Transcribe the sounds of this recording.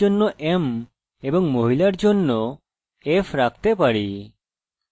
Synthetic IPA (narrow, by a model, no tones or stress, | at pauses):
onːɔʔem | ebɔŋmoɦilaɾd͡ʒonːɔ | epʰɾak̚t̪epaɽi